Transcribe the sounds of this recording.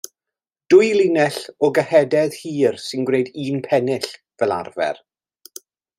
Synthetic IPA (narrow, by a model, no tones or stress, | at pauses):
d̥ʊjlˠinɛɬɔɡəhɛdɛð̥hiːrsɪnɡwnejdiːnpʰɛnɪɬ | vɛlˠa̰rvɛ̰r